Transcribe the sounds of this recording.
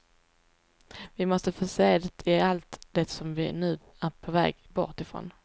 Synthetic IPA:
vɪmɔst̪əfœseːd̪ɛt̪ʰɪalt̪d̪̥ɛsɔmvɪ̰nʉ̟ː | æɾpʰɔvɛ̰ːɡbɔ̰ʈɪfɾo̰ːn

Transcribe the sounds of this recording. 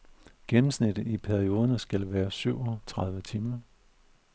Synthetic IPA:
ɡ̥enm̩snid̥ð̩ˠipʰæɐio̝ːð̞ˠɐnəsɡ̥ælʋæːɐsyʊ̰ɒt͡sʰʁɑ̈ð̞ˠʋət͡sʰiːmɐ

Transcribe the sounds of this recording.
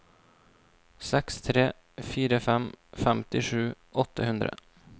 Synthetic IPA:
sɛkst̪ʰɾeː | fiːɾəfɛmfɛmt̪ɪʂʉːʔɔt̪ːəhʉnd̪ɾə̰

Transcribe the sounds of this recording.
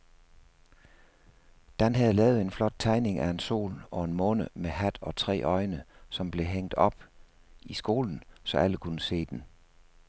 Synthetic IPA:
d̥ænɦæð̩ˠlɛːʊð̩ˠe̝nflɒ̽d̥̚t͡sʰɑ̈ɪne̝ŋʔæe̝nso̝̰ːlɒ̽e̝nmɔ̽ːnəmehæd̥ɒ̽t͡sʰʁɛ̰ːʔɒ̽ɪnəsɒ̽mb̥le̝ɦeŋ̰d̥ɒ̽b̥ | isɡ̥o̝̰ːln̩sɒ̽æləkʰunəse̝̰ːd̥en

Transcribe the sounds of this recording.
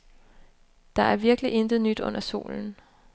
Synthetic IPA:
d̥ɑ̈æɐʋiɐɡ̥əliʔe̝nd̥ð̩ˠnyd̥ɔ̽nʔɐso̝̰ːln̩

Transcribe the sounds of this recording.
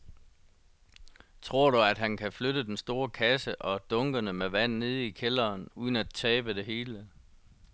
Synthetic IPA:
t͡sʰʁo̝ɐ̰ɾ̥uæd̥ɦænkʰæfløɾəd̥ensd̥o̝ːɐkʰæsəʔɒ̽d̥ɔ̽ŋɡ̥ənəmeʋæn̰ne̝ð̞ˠikʰelɐːnuð̞ˠən̩æd̚t͡sʰɛːb̥əde̝ɦe̝ːlə

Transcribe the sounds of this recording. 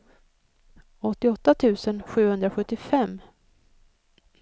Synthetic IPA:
ɔt̪ːɪɔt̪ːat̪ʰʉ̟ːsənɧʉ̟ːhɵnd̪ɾaɧɵt̪ːɪfɛmː

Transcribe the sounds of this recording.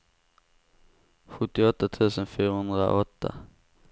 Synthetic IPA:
ɧɵt̪ːɪɔt̪ːat̪ʰʉ̟ːsənfyːɾahɵnd̪ɾa̰ʔɔt̪ʰːa̰

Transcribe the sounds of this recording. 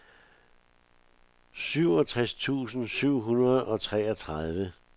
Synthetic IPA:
syʊ̰ɒ̽t͡sʰʁast͡sʰṵːsn̩syʊ̰ɦunɐð̩ˠɒ̽t͡sʰʁɛːɐt͡sʰʁað̞ˠʋə

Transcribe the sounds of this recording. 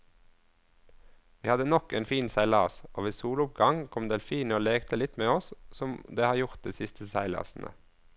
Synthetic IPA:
ʋiːhɑd̪ənɔkeːnfiːnsæɪlɑːsʔoːʋiːsuːlʊp̚ɡɑŋkʰɔmd̪eːlfiːnoːleːɡt̪ʰəlɪt̪meːɔssɔmd̪eːhɑːjʊʁt̪̚d̪iːsɪst̪ʰəsæɪlɑ̰ːsn̩ʔə̰

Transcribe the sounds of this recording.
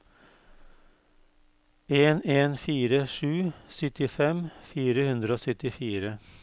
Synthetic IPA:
eːneːnfiːɾəʂʉːsœt̪ɪfɛmfiːɾəhʉnd̪ɾəoːsœt̪ɪfiːɾə

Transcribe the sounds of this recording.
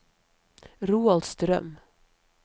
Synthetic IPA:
ɾuːald̪st̪ɾœ̰m

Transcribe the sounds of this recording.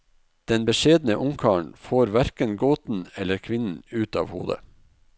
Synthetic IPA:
d̪̥ɛnbəʃeːd̪n̩əʔʊŋkʰɑːɳ̩foːɾʋæɾkənɡoːt̪n̩ɛləɾkʰʋɪnn̩ʉːt̪ɑ̰ːʋhṵːd̪ə̰

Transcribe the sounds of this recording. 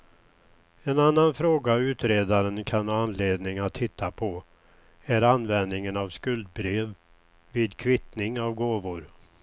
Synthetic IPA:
ɛnanːanfɾoːɡaʉ̟ːt̪ɾeːd̪aɾənkʰanhɑːanleːd̪nɪŋat̪ʰhɪt̪ʰːapʰɔ | æɾanːvɛnd̪nɪŋənavskɵld̪̚bɾeːv | vɪːd̪kʰvɪt̪nɪŋavɡoːvʊɾ

